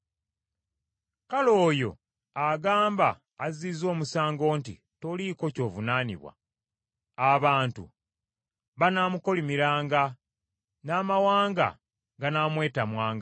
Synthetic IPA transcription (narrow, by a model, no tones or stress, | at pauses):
kalo̞ːjo̞ | aɡaːmbaː | ziːzo̞ːmusaːŋɡo̞ːntḭ | to̞liko̞co̞ːvunaːnḭβwa̰ | aβaːntṵ | βanaːmuko̞limiɾaːŋɡa | naːmawaːŋɡa̰ | ɡanamwe̞ːtamwaːŋɡa